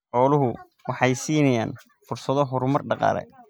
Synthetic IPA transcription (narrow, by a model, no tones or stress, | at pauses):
ħɔːlʊɦʊ | wɑħɑjsiːnɐjaːn | fʊrsɐðɔɦɔɾʊmɐrɖɑqɑ̰ːlɛ̰